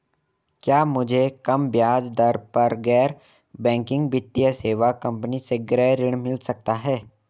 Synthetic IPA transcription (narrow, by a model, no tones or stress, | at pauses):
kjaːmʊd͡ʒʱekɐmbjaːd͡ʒd̪əɾpɐɾɡɛːɾ | bɛ̃ːŋkɪ̃ŋɡbɪt̪ːijəseːʋakɐ̃mpniseɡɾɛːɾɪɽ̃mɪlsɐk̚t̪aɦɛː